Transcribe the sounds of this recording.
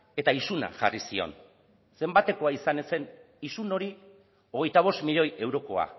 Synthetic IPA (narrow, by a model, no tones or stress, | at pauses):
e̞t̪aisuna̰ʝa̰risio̞̰n | se̞mbat̪e̞ko̞aisane̞se̞n | isuno̞ɾi | o̞ɣ̞e̞jt̪aβ̞o̞smiʎo̞je̞wɾo̞ko̞a̰